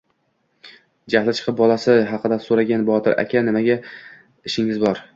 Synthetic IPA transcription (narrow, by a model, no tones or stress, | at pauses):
d͡ʒahlˠɪt͡ʃʰɨ̥qʰɨp̚bɒlˠasɪɦɑqɨd̪asoɾaɡʲanbɒt̪ʰɪɾʔa̰kʲʰanɪmaɡʲa | ɪʃɪŋɪzbɒɾ